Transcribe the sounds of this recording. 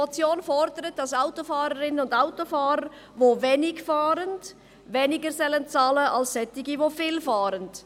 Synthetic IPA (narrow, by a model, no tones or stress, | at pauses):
ɔt͡sjoːnfɔɾdəɾət̚d̥ɑsaʊtofaːɾəɾɪnənʊndaʊtofaːɾəɾ | ʋoːvɛnɪɡfaːɾənd | vɛnɪɡəɾsɛlənt͡sɑːləʔɑlssɛtːɪɡivofɪːlfaːɾənd̥